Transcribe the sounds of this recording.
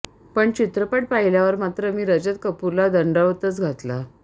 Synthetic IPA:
pəɳt͡ɕit̪ɾəpəʈ̚paɦiljaʋəɾmat̪ɾəmiːɾəd͡ʑət̪̚kəpuɾlad̪əɳɖəʋt̪ət͡sɡʱat̪la

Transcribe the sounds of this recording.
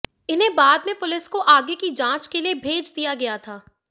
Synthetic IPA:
ɪnɦẽbaːd̪mẽpʊlɪskoʔaːɡekid͡ʒãːt͡ʃkeliebʱeːd͡ʒd̪ijaɡɐjat̪ʰaː

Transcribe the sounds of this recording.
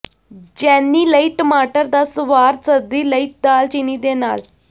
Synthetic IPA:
d͡ʒɛːnːiːləiʈmaːʈəɾd̪ɐsʋaːɾsəd̪iːləiʈ̚d̪aːlt͡ʃinid̪eːna̰ːl

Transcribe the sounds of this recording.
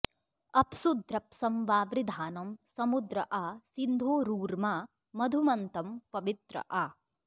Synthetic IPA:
ɐpsud̪ʱɾɐpsɐmʋaːʋɾɪd̪ʱaːnɐmsɐmud̪ɾɐʔɐːsind̪ʱoːɾuːɾmaː | mɐd̪ʱumɐnt̪ɐmpɐʋit̪ɾɐ̰ʔaː

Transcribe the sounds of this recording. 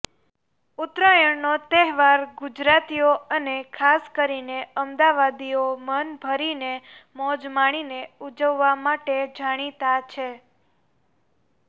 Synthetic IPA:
ut̪ɾəjəɳnot̪ɛɦʋaɾɡud͡ʒɾat̪ijoənekʰaskəɾineəmd̪aʋad̪iomənbʱəɾinemɔd͡ʒmaɽ̃ineud͡ʒəʋːamaʈed͡ʒaɽ̃it̪at͡ʃʰe

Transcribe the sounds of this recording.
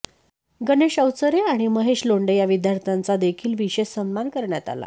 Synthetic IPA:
ɡəneɕəwt͡səɾeaɽ̃iməɦeɕloɳɖəjaʋid̪jaɾt̪ʰant͡sad̪ekʰiːlʋiɕessəmːankəɾɳjat̪a̰la̰

